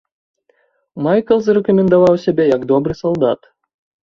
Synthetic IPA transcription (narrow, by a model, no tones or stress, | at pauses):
majkəlˠzrʲɪkomʲɪnd̪ɐvɑwsʲebʲejakd̪obɾɨsɐlˠd̪at̪